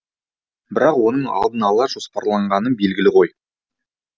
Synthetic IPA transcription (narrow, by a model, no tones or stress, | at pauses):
bɪɾɑqwo̞nəɴɑ̰lˠd̪ənɑlˠɑʒo̞spɑɾlˠɑɴʁɑnəbe̞lɡʲɪlɪqʰo̞j